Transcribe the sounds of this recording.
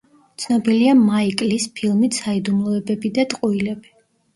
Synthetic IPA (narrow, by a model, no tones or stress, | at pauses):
t̪sʰnɔbiliamaikʼlispʰilˠmit̪said̪umlˠɔɛbɛbid̪at̪ʼqʼuilɛbi